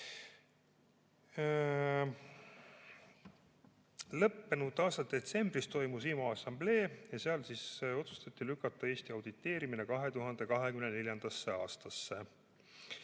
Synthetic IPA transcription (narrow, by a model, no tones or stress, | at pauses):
lɤpːe̞nud̪̥ːˑɑːst̪ɑd̪̥e̞t̪se̞mb̥rist̪o̞jmusiːmɑɑsːɑmble̞ːjɑse̞ɑlsiso̞t̪su̥st̪ɑt̪ːilykːˑɑt̪ːˑɑe̞ːst̪iɑwd̪̥it̪ːˑe̞ːɾiminekɑɦe̞t̪uɦɑnd̪̥e̞kɑɦe̞kymnene̞ljɑnd̪̥ɑsːe̞ɑːst̪ɑsːe